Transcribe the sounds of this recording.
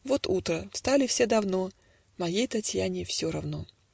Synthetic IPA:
vo̞t̪ut̪ɾəfst̪alʲɪfsʲe̞d̪ɐvno̞ | mɐjejt̪ɐtʲjanʲɪfsʲoɾɐvno̞

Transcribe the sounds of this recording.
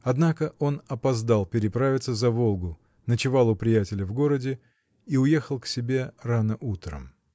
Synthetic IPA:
ɐd̪nakəʔo̞nɐpɐzd̪alˠpʲɪɾʲɪpɾavʲɪt̪səzɐvo̞lˠɡʊ | nət͡ɕɪvɑlˠʊpɾʲɪjætʲɪlʲəvɡo̞ɾədʲɪ | iʊje̞xəlˠksʲɪbʲe̞ranəʔut̪ɾə̰m

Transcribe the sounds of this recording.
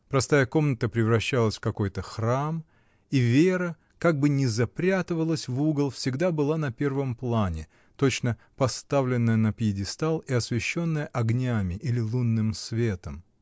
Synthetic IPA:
pɾɐst̪ajəko̞mnət̪əpɾʲɪvɾɐɕːalˠəsʲfkɐko̞jt̪əxram | ivʲeɾə | kaɡ̚bɨnʲɪzɐpɾʲat̪ɨvəlˠəsʲvuɡəlˠfsʲɪɡd̪abɨlˠanɐpʲe̞rvəmplˠanʲɪ | t̪o̞t͡ɕnə | pɐst̪avlʲɪnːəjənəpjɪdʲɪst̪alˠiɐsvʲɪɕːo̞nːəjəʔɐɡnʲamʲɪʔilʲɪlˠunːɨmsvʲet̪əm

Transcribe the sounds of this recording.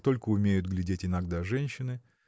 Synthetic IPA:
t̪o̞lʲkəʊmʲejʊt̪ɡlʲɪdʲetʲɪnɐɡd̪aʐɛnʲɕːɪnɨ

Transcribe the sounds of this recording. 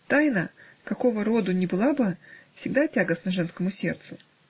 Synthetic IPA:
t̪ajnə | kɐko̞vəɾo̞d̪ʊnʲɪbɨlˠabɨfsʲɪɡd̪atʲaɡəsnəʐɛnskəmʊsʲe̞̰rt̪sʊ

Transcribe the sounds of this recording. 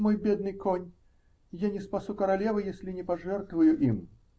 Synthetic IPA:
mɔjbʲɛd̪̚nɨjkɔnʲ | janʲɛspasukɐɾalʲɛvɨjɛsʲlʲinʲɛpaʐɛrt̪vɐjuʔim

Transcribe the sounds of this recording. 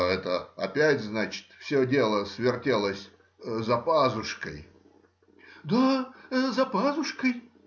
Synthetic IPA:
ɛt̪əɐ̰pʲætʲznat͡ɕɪ̥t̪fsʲodʲelˠəsvʲɪrtʲelˠəsʲ | zɐpazʊʂkəj | d̪azɐpazʊʂkəj

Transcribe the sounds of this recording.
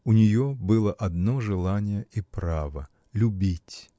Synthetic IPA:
ʊnʲɪjobɨlˠəʔɐd̪no̞ʐɨlˠanʲɪjəipɾavə | lʲʊbʲitʲ

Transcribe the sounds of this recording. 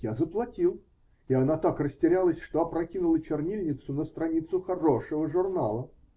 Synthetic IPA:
jazəplˠɐtʲilˠ | ɪɐnat̪akrəsʲtʲɪɾʲalˠəsʲʂt̪oɐpɾɐkʲinʊlˠət͡ɕɪrnʲilʲnʲɪt̪sʊnəst̪ɾɐnʲit̪sʊxɐɾoʂəvəʐʊrnalˠə

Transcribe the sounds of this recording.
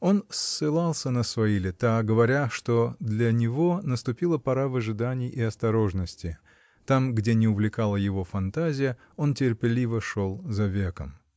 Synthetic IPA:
o̞nsːɨlˠalˠsʲənəsvɐilʲɪt̪aɡəvɐɾʲaʂt̪o̞d̪lʲənʲɪvo̞nəst̪ʊpʲilˠəpɐɾavəʐɨd̪anʲɪjɪɐst̪ɐɾo̞ʐnəsʲtʲɪ | t̪amɡdʲenʲɪʊvlʲɪkalˠəjɪvo̞fɐnt̪azʲɪjə | o̞ntʲɪrpʲɪlʲivəʂo̞lˠzɐvʲe̞kəm

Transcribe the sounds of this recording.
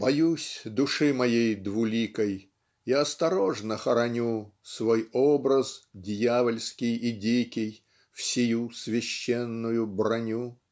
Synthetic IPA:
pɐjusʲd̪ʊʂɨmɐjejd̪vʊlʲikəj | iɐst̪ɐɾo̞ʐnəxəɾɐnʲusvojobɾəsdʲjavəlʲskʲɪjɪdʲikʲɪj | fsʲɪjusvʲɪɕːenːʊjʊbrɐnʲu

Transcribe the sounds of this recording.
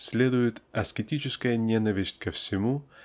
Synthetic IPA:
sʲlʲed̪ʊjɪt̪ɐskʲɪtʲit͡ɕɪskəjənʲenəvʲɪsʲtʲkəfsʲɪmu

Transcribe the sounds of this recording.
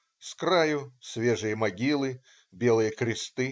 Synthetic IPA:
skɾajʊsʲvʲeʐɨjəmɐɡʲilˠɨ | bʲelˠɨjəkɾʲɪst̪ɨ

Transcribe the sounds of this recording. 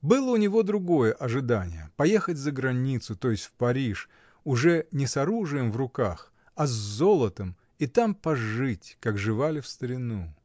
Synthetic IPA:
bɨlˠəʊnʲɪvo̞d̪ɾʊɡo̞jəʔɐʐɨd̪anʲɪ̰jəpɐjexətʲzəɡɾɐnʲit̪sʊt̪o̞jɪsʲtʲfpɐɾʲiʂ | ʊʐɛnʲɪsɐɾuʐɨjəmvrʊkax | ɐzzolˠət̪əm | it̪ampɐʐɨtʲkakʐɨvalʲɪfst̪əɾʲɪnu

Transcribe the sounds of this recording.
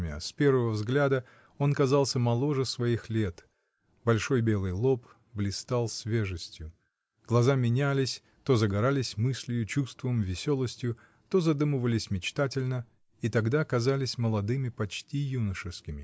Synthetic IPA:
mʲa̰spʲe̞rvəvəvzɡlʲad̪ə | o̞nkɐzɑlˠsʲəmɐlˠo̞ʐɨsvɐixlʲet̪ | bɐlʲʂo̞jbʲe̞lˠɨjlˠo̞p | blʲɪst̪alˠsʲvʲe̞ʐɨsʲtʲjʊ | ɡ̥lˠɐzamʲɪnʲælʲɪsʲ | t̪o̞zəɡɐɾalʲɪsʲmɨsʲlʲɪjʊt͡ɕust̪vəmvʲɪsʲo̞lˠəsʲtʲjʊ | t̪o̞zɐd̪umɨvəlʲɪsʲmʲɪt͡ɕt̪atʲɪlʲnə | it̪ɐɡd̪aɐkɐzalʲɪsʲməlˠɐd̪ɨmʲɪpɐt͡ɕtʲijunəʂɨfskʲɪmʲɪ

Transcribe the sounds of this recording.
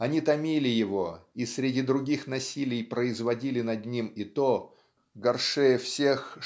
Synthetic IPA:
ɐnʲit̪ɐmʲilʲɪjɪvoisʲɾʲɪdʲid̪ɾʊɡʲixnɐsʲilʲɪjpɾəɪzvɐdʲilʲɪn̪ɐd̪nʲimit̪o | ɡɐrʂɛjəfsʲex

